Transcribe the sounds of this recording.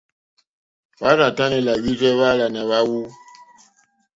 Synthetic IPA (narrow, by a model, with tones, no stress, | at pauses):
wa˦ɾa˨ta˦nɛ˨la˨ji˦d͡ʒɛ˦βa˦la˨na˨βa˦wu˦